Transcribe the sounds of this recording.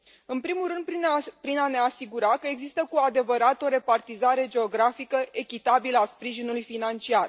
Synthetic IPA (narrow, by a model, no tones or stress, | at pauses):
ɨnpɾimulɾɨnd̪pɾinane̞asiɡuɾakəe̞ɡzist̪əkuad̪e̞vəɾat̪o̞ɾe̞part̪izaɾe̞d͡ʒe̞o̞ɡɾafikəʔe̞kʲit̪abiləaspɾiʒinulujfinant͡ʃiar